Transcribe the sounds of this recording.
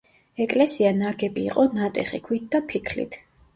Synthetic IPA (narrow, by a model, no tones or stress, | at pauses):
ɛkʼlɛsianaɡɛbiːqʼɔnat̪ʼɛχikʰwit̪̚ʰd̪apʰikʰlḭt̪ʰ